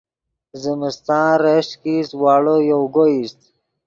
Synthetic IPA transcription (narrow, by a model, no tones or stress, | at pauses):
zəməst̪ɑ̃ːɾeʂkiswɑːɽojowɡoist̪